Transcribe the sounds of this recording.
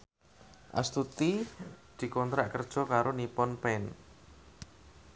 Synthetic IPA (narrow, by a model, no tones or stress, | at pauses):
ʔa̰st̪ut̪id̪̥i̤kɔnt̪ɾaʔkərd̥ʒ̥ɔ̤kaɾonipɔnpɛn